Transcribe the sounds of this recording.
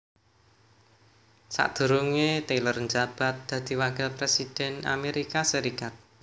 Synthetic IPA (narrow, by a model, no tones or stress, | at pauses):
sa̰ʔd̪̥ṳɾuŋet̪elərnd͡ʒab̥a̤t̪̚d̪̥ä̤d̪̥i̤waɡɛlpɾesid̪̥ɛ̤na̰meɾikasəɾikat̪̚